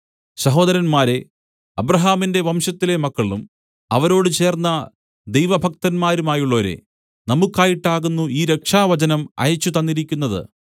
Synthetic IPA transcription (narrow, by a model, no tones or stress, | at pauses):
ɕɐɦo̞ːd̪ɐɾɐnmaːɾe̞ | ɐbɾɐɦaːminde̞ʋɐmɕɐt̪ːile̞mɐkːɐɭum | ɐʋɐɾo̞ːɽɨt͡ɕe̞ːrnːɐ | d̪ejʋɐbʱɐk̚t̪ɐnmaːɾumaːjuɭːoːɾḛ | nɐmukːaːjiʈːaːɣunːuiːɾe̞kʂaːʋɐt͡ɕɐnɐmɐ̰jɐt͡ɕːut̪ɐnːiɾikʲːunːɐðɨ̰